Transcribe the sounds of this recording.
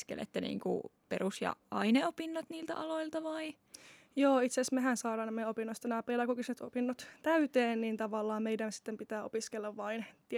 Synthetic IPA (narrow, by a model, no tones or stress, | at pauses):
skḛlḛt̪ːenḭːŋkṵperusjɑ̰ɑineopinːot̪niːlt̪æ̰ʔɑloilt̪ɑʋɑi | joːit̪sesmeɦænsɑːɾɑːnemːeopinːost̪ɑnæːpielækokisnet̪o̰pinːot̪t̪æyt̪eːnniːnt̪ɑʋɑlːɑːmmeidænsi̥t̪ːempit̪æːopiskelːɑʋʋɑint̪